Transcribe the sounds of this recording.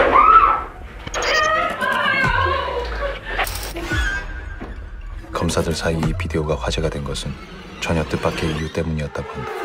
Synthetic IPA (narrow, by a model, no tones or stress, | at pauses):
kʌmsʰadɯɭsʰaiipide̞oɡaɸwad͡ʑe̞ɡadwenɡʌsʰɯn | t͡ɕʌɲʌt͈ɯp͈akʰe̞ijut͈e̞muɲiʌt̚t͈aɡoɦanda